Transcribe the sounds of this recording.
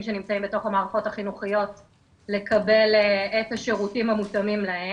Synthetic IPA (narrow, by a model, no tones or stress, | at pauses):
mʃenimt͡saimbeto̞χamaːʁaχo̞taχinuχijo̞t | le̞kɐbe̞letaʃeʁutimhamutɐmimlae